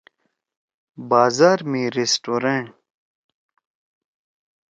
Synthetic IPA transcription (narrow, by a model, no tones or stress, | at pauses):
baːzaːɾmĩɾesʈoːɾẽɳʈ